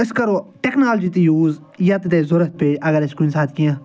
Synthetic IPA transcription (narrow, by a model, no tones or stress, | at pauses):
ɪskɐɾoːʈɛknaːld͡ʒiːt̪ejuːz | jaːt̪et̪eːzʊɾət̪̚peːd͡ʒɐɡəɾɪskʊinsaːt̪ʰkijãː